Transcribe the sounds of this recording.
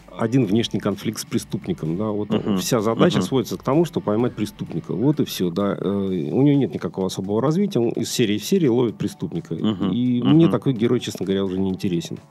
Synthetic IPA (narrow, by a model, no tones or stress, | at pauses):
ɐdʲinvnʲe̞ʂnʲɪjkɐnflʲik̚t̪spɾʲɪst̪upnʲɪkəmd̪avo̞t̪fsʲazɐd̪at͡ɕəsvodʲɪt̪səkt̪ɐmuʂt̪o̞bəpɐjmat̚ʲpɾʲɪst̪upnʲɪkə̰vo̞t̪ɨfsʲod̪aəʊ̰nʲɪjo̞nʲe̞t̪nʲɪkɐko̞vəɐso̞bəvəɾɐzvʲitʲɪjəonʔɪ̰ssʲeɾʲɪːfsʲeɾʲɪːlˠovʲɪt̪̚pɾʲɪst̪upnʲɪkəimnʲet̪ɐko̞jɡʲɪɾʔo̞jt͡ɕe̞snəɡəvɐɾʲaʊʐɛnʲɪɪnʲtʲɪɾʲesʲɪn